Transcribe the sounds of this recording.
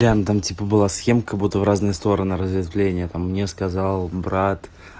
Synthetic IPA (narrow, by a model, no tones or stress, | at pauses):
ɾʲant̪amtʲipəbɨlˠasxʲemkəɡ̚but̪ːəvɾaznɨjəst̪o̞ɾənɨɾəzvʲɪd̪vlʲenʲɪjət̪amːnʲeskɐzalˠbɾat̪